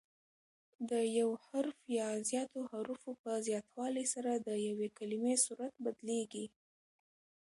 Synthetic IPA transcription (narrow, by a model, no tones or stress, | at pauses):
d̪əjawhaɾfjɑzjɑt̪ohaɾufopəzjɑt̪wɑləjsaɾad̪əjawekalɪmesuɾat̪̚bad̪leɡi